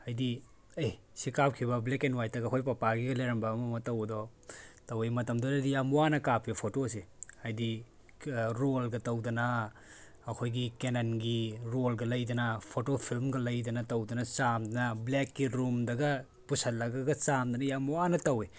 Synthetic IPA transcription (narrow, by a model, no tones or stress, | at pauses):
hajdi | ej | sikap̚kʰibɐblekenwajtɐɡɐkʰojpɐpaɡiɡɐlejɾɐmbɐːmɐmɐtɐwɐdɔ | tɐwemɐtɐmdɔajdijamwanɐkap̚ʰipʰotoseajdi | ɾolɡɐtɐwdɐnɐː | kʰojɡikenɐnɡiɾolɡɐlɐjdɐnɐpʰotopʰilmɡɐlɐjdɐnɐtɐwdɐnɐt͡ʃamdɐnɐblekːiɾumdɐɡɐ | pusɐlːɐɡɐɡɐt͡ʃamdɐnɐjamuwanɐtɐwe